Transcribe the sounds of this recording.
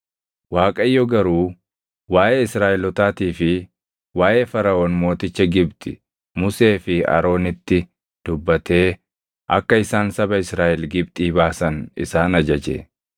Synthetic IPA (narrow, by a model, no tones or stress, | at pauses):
waːkʼɐjːɔɡɐɾuː | waːʔeɪsɾaːʔɛlɔt̪aːt̪iːfɪ | waːʔeːfɐɾɐoːnmo̞ːt̪ɪt͡ʃːɐɡɪbt̪ʼɪ̰ | mʊse̞ːfɪɐ̰ɾo̞ːnɪt̪ːɪ | d̪̥ʊbːɐt̪e̞ː | ʔɐ̰kːɐɪsaːnsɐbɐɪsɾaːʔɛlɡɪb̚t̪ʼiːbaːsɐnɪ̰saːnɐd͡ʒɐd͡ʒɛ̰